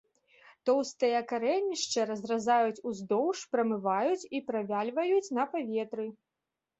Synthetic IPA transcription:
t̪ɔwst̪ɨjɐkaɾɛnʲːiʂt͡ʂɐɾɐzrazajut͡sʲuzd̪ɔwʂpɾɐmɨvajut͡sʲipɾavʲalʲvɐjut͡sʲnɐpavʲɛt̪ɾɨ

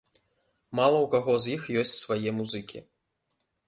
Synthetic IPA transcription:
malˠɐwkaɣɔzjixjɔsʲt͡sʲsvajɛmuzɨkʲḭ

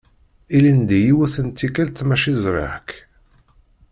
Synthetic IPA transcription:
ilind̪ijiwuθənt̪ːikælt̪mæʃizɾɪ̰ħk

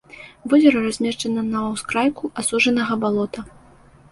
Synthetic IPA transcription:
vɔzʲɛɾɐrazʲmʲɛʂt͡ʂɐnɐnɐwskɾajkuʔasuʐɐnɐɣɐbalˠɔt̪ɐ

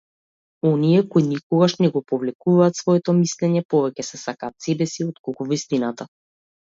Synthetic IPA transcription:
ɔniɛkoinikɔɡaʃnɛɡɔpɔvlɛkuvaːt̪svɔɛt̪ɔmislɛɲɛpɔvɛcɛsɛsakaːt̪sɛbɛsiɔt̪̚kolˠkuvist̪inat̪a

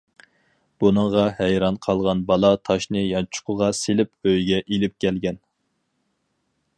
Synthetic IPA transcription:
b̥unɨŋʁɑhæjɾɑnqʰɑlˠʁɑnbɑlˠɑt̪ʰɑʃnɨjɑnt͡ʃʰʊ̥qʰʊʁɑselɪpøjɡʲɛʔilɪp̚kʲʰɛlɡʲɛn

